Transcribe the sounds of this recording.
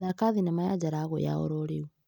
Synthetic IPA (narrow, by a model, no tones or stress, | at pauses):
ðakaðinamajad͡ʒaɾaːɣo̰ja̰ɔ̰ɾɔɾeu